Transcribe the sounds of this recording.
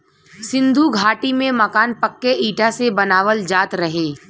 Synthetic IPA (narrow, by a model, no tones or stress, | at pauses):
sɪ̃nd̪ʱuɡʱaːʈimẽmɐkaːnpɐkːeʔiːʈʰasebɐnaːʋəld͡ʒaːt̪ɾɐɦeː